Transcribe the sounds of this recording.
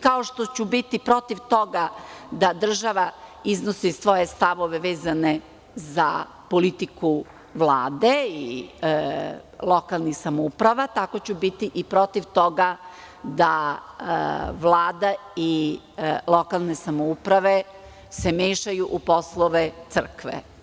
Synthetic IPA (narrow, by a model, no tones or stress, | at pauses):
kao̞ʃt̪o̞t͡ɕubit̪ipɾo̞t̪iʋt̪o̞ɡad̪ad̪r̩ʒaʋaiznosisʋo̞je̞st̪aʋoʋeʋeːzane | za̰ | polit̪iku | ʋlˠaːd̪ei | lˠo̞kalˠnixsamoupɾaʋat̪ako̞t͡ɕubit̪iʔipɾo̞t̪iʋt̪o̞ɡa | d̪a | ʋlˠaːd̪ai | lˠokalˠne̞samoupɾaʋe | semeːʃajuʔupo̞slˠoʋet̪sr̩kʋḛ